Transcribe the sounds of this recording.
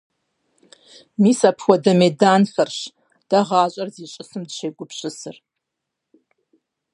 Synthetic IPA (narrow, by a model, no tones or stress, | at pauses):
miːsapʰwɐdɐmedaːnfɐrɕ | d̥ɐʁaːɕʼɐrziɕʼɪsɨmdʃejɡʷʼʊpɕʼɪsɨ̰r